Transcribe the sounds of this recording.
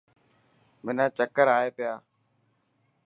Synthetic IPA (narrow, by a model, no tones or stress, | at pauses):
mɪnãːt͡ʃəkəɾaːeːpɪjaː